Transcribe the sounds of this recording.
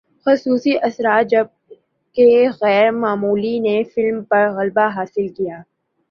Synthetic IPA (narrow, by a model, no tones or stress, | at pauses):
xʊsuːsiʔɐsɾaːt̪̚d͡ʒɐb̚ | keɣɛːɾmaːmuːlinefɪlmpɐɾɣɐlbaɦaːsɪlkijaː